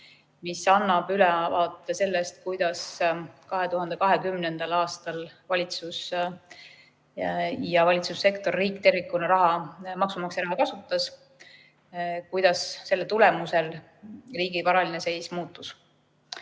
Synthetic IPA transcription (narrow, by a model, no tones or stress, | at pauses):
misɑnːɑb̥ylɛvɑːt̪ːˑese̞lːest̪kujd̪̥ɑskɑɦe̞t̪uhɑnd̪̥e̞kɑɦe̞kymnend̪̥ɑlɑːst̪ɑlvɑlʲit̪sus | jɑvɑlʲit̪susːe̞kt̪o̞rːiːkˑt̪e̞rvikːˑunɑɾɑɦɑmɑksumɑkseɾɑhɑkɑsut̪ːˑɑs | kujd̪̥ɑsːe̞lːet̪ule̞muse̞l | riːɡivɑɾɑlinese̞jsmuːt̪ːˑus